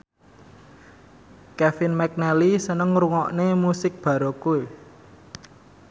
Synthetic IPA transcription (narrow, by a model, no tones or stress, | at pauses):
kɛfɪnmɛk̚nɛlisənəŋruŋɔʔnemusɪk̚b̥ä̤ɾokue